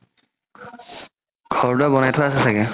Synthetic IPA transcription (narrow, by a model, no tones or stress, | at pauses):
ɡ̥ʱɔɹtʊabɔnajtʰɔaasɛsakɛ